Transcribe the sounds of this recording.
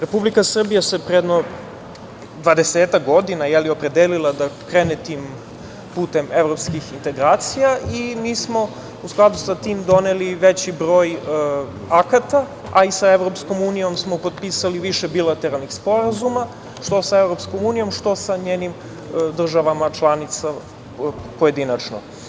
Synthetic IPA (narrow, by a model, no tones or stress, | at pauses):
ɾe̞publikasr̩bijase̞pɾeed̪no | d̪ʋad̪e̞seːt̪akɡo̞d̪inajɛlio̞pɾe̞d̪eːlilˠad̪akɾeːnet̪iːm | puːt̪emevɾopskixint̪e̞ɡɾaːt̪sijaʔimiːsmo̞ | usklˠad̪usat̪iːmd̪o̞neliʋet͡ɕibɾo̞ːj | akat̪a | aisaeʋɾo̞psko̞muːnijo̞msmo̞pod̪̚piːsaliʋiʃebilat̪eɾalˠnixspo̞ɾazuma | ʂt̪o̞sae̞vɾo̞pskomuːnijo̞mʂt̪o̞saɲeːnim | d̪r̩ʒaʋamat͡ʃlˠanit̪sa | poje̞d̪inat͡ʃno̰